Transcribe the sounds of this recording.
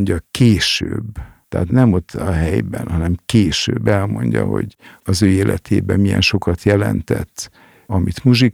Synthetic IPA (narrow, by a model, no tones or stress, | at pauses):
ɲɟɒkeːʃøːb | t̪ɛːt̪nɛmot̪ʰːɒɦɛjbɛnhɒnɛmkeːʃøːbːɛlmo̞ɲɟɒ̰ho̞̰ɟɒzøːeːlʔɛ̰t̪ʰeːbɛmijɛ̰nʃo̞kɒt̪jɛlɛnt̪ɛt̪ː | ɒmʔit̪muʒik